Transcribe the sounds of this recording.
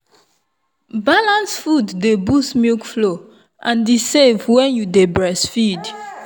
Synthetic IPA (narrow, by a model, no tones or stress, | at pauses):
balãnsfudːebusmjukflo | ʔãndisevwɛ̃njudebɹɛsfid